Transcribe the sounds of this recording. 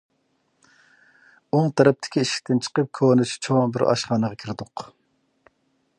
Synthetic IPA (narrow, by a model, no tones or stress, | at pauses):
oŋt̪ʰɛɾɛp̚t̪ʰɪ̥kʲiiʃi̥kʲt̪ʰɪnt͡ʃʰə̥qəp̚kʰoːnɪt͡ʃʰi̥t͡ʃʰoŋbɪɾɑ̰ʃχɑːnəʁɑkʲʰiɾɪd̪ʊq